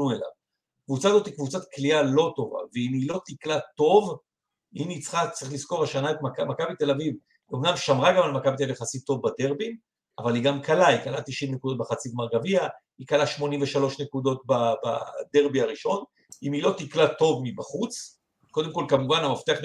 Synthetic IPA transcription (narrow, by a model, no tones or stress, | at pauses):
uela̰v | kvut͡sazo̞t̪hikvut͡satklialo̞t̪o̞va̰veimilo̞t̪iklat̪o̞v | init͡sχat͡sʁiχlisko̞ʁaʃanaet̪makamakabit̪e̞laviv | omnamʃamʁaɡamalmakabit̪̬eavijχasit̪ːo̞vbade̞ʁbin | a̰valiɡamkalaikalat̪iʃimnekudo̞t̚beχat͡siɡmaʁɡavia | ikalaʃmo̞nimveʃalo̞ʃnekud̪o̞t̪̚baba̰d̪e̞ʁbiaʁiʃo̞n | imilo̞t̪iklato̞vmibaχut͡s | ko̞d̪emko̞lkamuvanamaft̪eaχ